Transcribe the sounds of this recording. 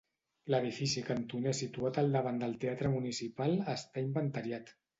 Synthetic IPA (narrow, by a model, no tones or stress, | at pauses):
ləð̞ifisikənt̪unesit̪uat̪əlˠd̪əβ̞and̪əlˠt̪eat̪ɾəmunisipalˠəst̪aimbənt̪əɾjat̪